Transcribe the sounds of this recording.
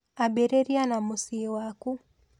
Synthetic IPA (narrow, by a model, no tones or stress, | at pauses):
abɛɾɛɾianamusiwaku